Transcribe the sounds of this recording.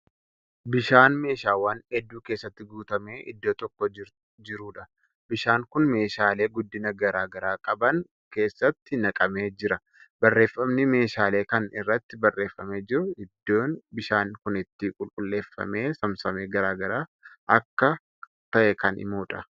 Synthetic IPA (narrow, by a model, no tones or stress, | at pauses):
bɪʃaːnme̞ːʃaːwaːnɛd̪ːuːke̞ːsːɐt̪ːɪɡuːt̪ɐme̞ːʔɪ̰d̪ːo̞ːt̪ɔkːoɪ | d͡ʒɪɾuːᶑɐ | bɪʃaːŋkʊnme̞ːʃaːle̞ːɡʊd̪ːɪnɐɡɐɾaːɡɐɾaːkʼɐbɐŋ | ke̞ːsːɐt̪ːɪnɐkʼɐme̞ːd͡ʒɪɾɐ | bɐrːe̞ːfːɐmnɪme̞ːʃaːle̞ːkɐnɪrːɐt̪ːɪbɐrːe̞ːfːɐme̞ːd͡ʒɪɾʊɪd̪ːoːnbɪʃaːnkʊnɪt̪ːɪkʼʊlkʼʊlːe̞ːfːɐ̰me̞ːsɐmsɐmeːɡɐɾaːɡɐɾaːʔɐkːɐ | t̪ɐʔɛkɐnɪ̰moːᶑɐ